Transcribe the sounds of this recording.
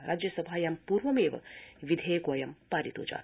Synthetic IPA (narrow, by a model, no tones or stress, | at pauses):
ɾʔa̰ːd͡ʒjɐsɐbʱaːjaːmpuːɾʋɐmeːʋɐ̰ʋid̪ʱeːkoːjɐmpaːɾit̪o̰ːd͡ʒa̰ː